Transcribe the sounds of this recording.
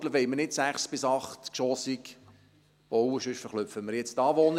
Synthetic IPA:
tləʋɛɪmənɪtsæχsb̥ɪsɑχtkʃɔsik | ɔwəʃʏʃfəχlʏpfəməɾjɛt͡stɑːʋɔn

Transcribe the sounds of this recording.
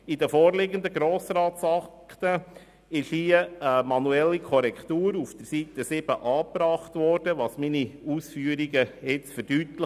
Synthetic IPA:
idəfɔːɾlɪɡənd̪əɡɾoːsɾɑːtsɑkt̪ə | ɪʃhiəəmɑnuɛlːikʰɔɾɛkχt̪uːɾufd̥̪əɾsiːt̪əsɪb̥əʔɑːpɾɑχtʋɔɾd̥əʋɑsminiuːsfyːəɾiɡəjɪt͡sfəɾd̥yːtlə

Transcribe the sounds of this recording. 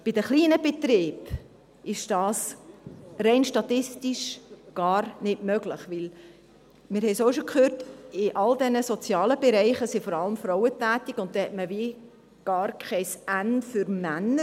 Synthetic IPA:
b̥ɪdəχliːnəbet̪ɾiːb | ɪʃd̥ɑːs | rɛɪnʃtɑt̪ɪstiʃɡ̥ɑːɾnɪdmœɡlɪχʋɪl | mɪɾhɛjsoːʃokχøːɾtɪʔɑldɛnəsɔt͡sjɑːləbɛɾɛɪχəsɪfɔɾɑləmfɾɔʊətæːtɪɡʊnt̚dɛhɛtməviː | ɡ̥ɑːɾkʰɛɪsænfʏɾmænə

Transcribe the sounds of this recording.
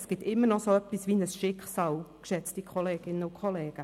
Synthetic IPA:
sɡ̥ɪtɪmːənɔsoœpːisʋinəsʃɪkχsɑːlkʃɛt͡stikʰχɔleːɡ̥ɪnəʊkʰɔleːɡ̥ə

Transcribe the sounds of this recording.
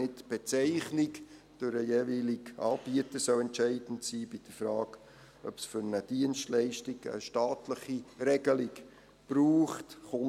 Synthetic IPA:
ɪtb̥ɛt͡sɛɪχnɪk | d̥ʊɾəjeːviːlɪɡɑ̰ːb̥iətəsœʊɛntt͡ʃɛɪd̥n̩tsiːbɪd̥əfɾɑːɡ | ʔœpsfʏɾnəd̥iənstlɛɪʃtɪɡə̰ʃtaːtləχiɾɛɡəlɪɡ | b̥ɾuːχtχʊn

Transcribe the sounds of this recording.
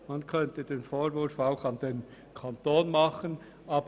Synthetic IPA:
mankʰœntəd̥eːnfoːɾvʊɾfaʊxɑnden | kʰɑntoːnmɑχən | ʔɑːb

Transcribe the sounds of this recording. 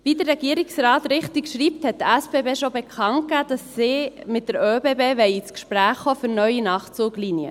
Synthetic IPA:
ʋidəɾːɛɡiəɾiksrɑːtɾɪχt̪ikʃɾiːp̚t̪hɛt̚dæspebeːʃobɛkʰχɑnt̚kæd̥ɑsːimɪt̚dəɾøːbeːbeːʋɛɪit͡skʃpɾæːχχofʏɾnœjinɑːχt͡suːɡlinjə̰

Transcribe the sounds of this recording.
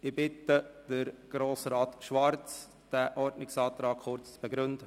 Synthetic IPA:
ɪbɪtəd̥əɾɡ̥ɾoːsɾɑːt̪ʃʋɑɾt͡s | d̥æːʔɔɾdnɪksɑːt̪ɾɑːkχʊɾt͡st͡sb̥ɛɡɾʏnd̥̪ə

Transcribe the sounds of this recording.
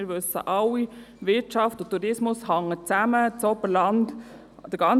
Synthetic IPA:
ɪɾʋøsə̰ʔɑlːiʋɪɾt͡ʃɑftʊtːuɾɪsmʊshɑŋːət͡sæmət͡sɔbəɾlɑnd | d̥əɡ̥ɑn

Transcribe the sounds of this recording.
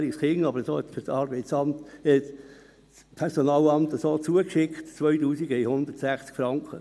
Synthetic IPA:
iskɪŋɑbəɾsoːhɛtfyɾtɑːɾbɛɪt͡sɑmtɛt | pʰɛɾsonɑːlɑmtəsoːt͡suəkʃɪkχtt͡sʋœʏtuːsiɡəɛihʊnd̪ərtsæχt͡skfɾɑŋkʰχə

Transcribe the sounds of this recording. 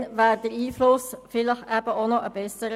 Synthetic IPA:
nʋæːɾd̥̪əɾiːflʊsfɪləχæb̥əʔonɔʔəbɛsəɾə

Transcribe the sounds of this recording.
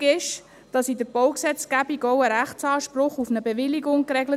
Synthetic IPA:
ɪʃ | d̥ɑsidəɾb̥ɔʊksɛt͡sɡ̥æbiɡɔwəɾæχt͡sɑːʃprʊχufnəbeʋɪliɡʊŋkɾɛɡlə

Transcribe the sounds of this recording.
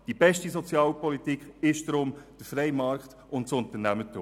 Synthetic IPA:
d̥ibɛʃtisɔt͡sjɑːlpɔlitikχɪʃd̥ɾʊmd̥əfɾɛjmɑɾkt̪ | ʊntsʊnt̪ənæmətṵː

